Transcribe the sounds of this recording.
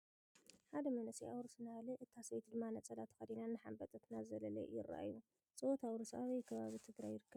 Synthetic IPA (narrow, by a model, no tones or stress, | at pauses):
ħad̪ɐmɐnɐsiawɾosɨnalɨʔɨt̪ʰːasβet̪d̪ɨmːanɐt͡sʼɐlat̪ʰɨ̥xɐd̪inanːɨħa̰mbɐt̪ʼɐt̪ʰnazɐlɐlɐ̰jɪrːa̰ʔa̰jːu | t͡sʼɨwot̪ʰawɾosa̰wejkʰɐβaβit̪ʰɨɡɾajːɪɾɨkːɐ